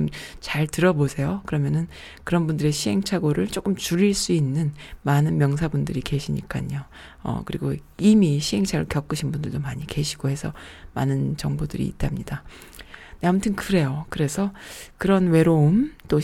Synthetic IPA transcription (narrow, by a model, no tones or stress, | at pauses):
ɯmt͡ɕaɭtɯɾʌbosʰe̞jokɯɾʌmjʌnɯn | kɯɾʌnbundɯɾe̞ɕʰiɦe̞ŋt͡ɕʰaɡoɾɯɭt͡ɕ͈ok͈ɯmt͡ɕuɾiɭs͈uinːɯnmanɯnmjʌŋsʰabundɯɾike̞ɕʰiɲḭk͈a̰ɲo | ʌ̰kɯɾiɡoimiɕʰiɦe̞ŋt͡ɕʰaɡɯ̰ɭkjʌk͈ɯɕʰinbundɯɭdomaɲike̞ɕʰiɡ̥ohe̞sʰʌma̰nɯnt͡ɕʌŋbodɯɾḭḭtʰamɲida | neamutʰɯnkɯɾe̞jokɯɾe̞sʰʌkɯɾʌnwe̞ɾoumt͈o